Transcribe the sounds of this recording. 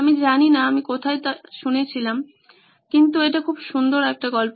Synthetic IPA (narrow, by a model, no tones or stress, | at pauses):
amid͡ʑaninaamikot̪ʰaet̪aʃunet͡ɕʰilam | kint̪ueʈakʰubʃund̪oɾɛk̚ʈaɡɔlp